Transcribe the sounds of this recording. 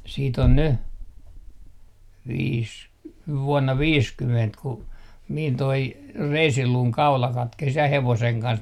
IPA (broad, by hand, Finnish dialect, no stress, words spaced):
siːt on ny ʋiːs ʋuɔnːɑ ʋiːskyment ku min toi reisiluːŋ kɑulɑ kɑtkes jɑ heʋoseŋ kɑns